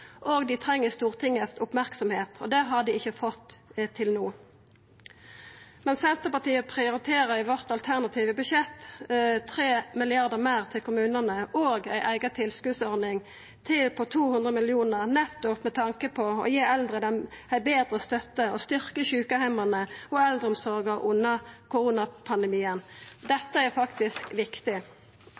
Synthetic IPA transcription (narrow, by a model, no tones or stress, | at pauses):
ʔoːɡd̪ɪt̪ʰʁɛŋːəst̪uːʁt̪ʰɪŋːəsʊpmæʁksɔmheːt̪ʰɔ̰d̪ɛɦɑd̪ɪɪçəfɔt̪t̪ʰɪlnuː | mɛnsɛnt̪əpɑt̪iːəpʰʁɪʊɾɪt̪ʰeːʁəʋɔʁt̪ɑlt̪ʰæʁnɑt̪ʰiːʋəbʉʃɛt̪ːt̪ʰʁeːmɪlɪɑʁd̪əmæɪʁt̪ʰɪlkʊmʉːnənəoːɡæɪʔæɪɡət̪ʰɪlskʉd̪sɔʁd̪ɪŋ | t̪ʰɪlpʰɔt̪ʰuːhʉnd̪ʁəmɪlɪuːnəʁnɛt̪ːɔpmɛt̪ʰɑŋkəpʰɔɔ̰jeːɛld̪ʁəd̪ɛnæɪbeːd̪ʁəst̪œt̪ːəɔst̪ʏʁkəçʉːkəhæɪmənəɔɛld̪ʁəɔmsɔʁɡəʁʔʊnːəkʰʊʁuːnɑpʰɑnd̪ɛmiːənd̪ɛt̪ːəæfɑkt̪ɪskʋɪkt̪ɪ